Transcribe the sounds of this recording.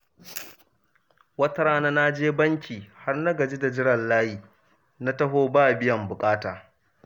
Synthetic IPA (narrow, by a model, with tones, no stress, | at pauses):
wɐ˦tɐ˦ɾaː˦na˦na˦d͡ʒeː˦bɐ˦ŋkʲiː˨ha˦rnɐ˦ɡɐ˨d͡ʒi˦da˨d͡ʒɪ˦ɽɐ˨llaː˦jiː˨ | na˦tɐ˦ɦoː˦baː˦˨bɪ˦jɐ˨mbʊ˨kʼaː˦taː˨